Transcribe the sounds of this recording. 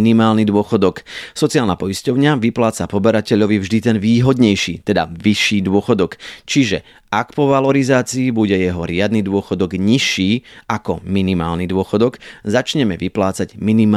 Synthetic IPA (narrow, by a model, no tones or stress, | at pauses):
nimaːlnid̪ʊɔxɔd̪ɔksɔt͡siaːlnapɔiscɔʊɲaʋiplaːt͡sapɔbɛɾacɛʎɔʋivʒd̪it̪ɛnʋiːɦɔd̪ɲɛjʃiːt̪ɛd̪a̰ʋiʃːiːd̪ʊɔxɔd̪ɔkt͡ʃiʒɛ | akpɔʋalɔɾizaːt͡siːbuɟɛjɛɦɔɾɪad̪nid̪ʊɔxɔd̪ɔɡɲiʃːiːakɔminima̰ːlnid̪ʊɔxɔd̪ɔɡzat͡ʃɲɛmɛʋiplaːt͡saɟminim